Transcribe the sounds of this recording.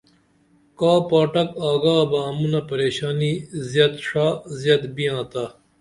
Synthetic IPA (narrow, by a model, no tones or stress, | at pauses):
kaːpaːʈɐkaːɡaːbaːmunɐpɐɾeːɕaːnizjɐt̪ʂaːzjɐt̪bijãːt̪a